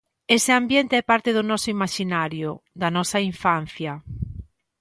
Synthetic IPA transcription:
eseambjent̪eɛpaɾt̪eðʊnɔsʊimaʃinaɾjʊd̪ɐnɔsaiɱfan̟θjɐ

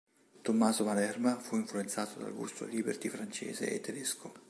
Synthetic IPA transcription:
t̪omːaːzomalɛrmafuiɱfluent̪saːt̪od̪a̰lɡṵst̪o̰liːbert̪ifɾant͡ʃɛ̰ːzḛʔḛt̪ːed̪eskʰo

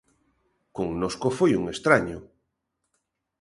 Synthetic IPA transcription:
koŋnoskofojuŋest̪ɾaɲo

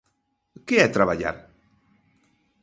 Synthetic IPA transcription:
keat̪ɾaβaʎa̰ɾ

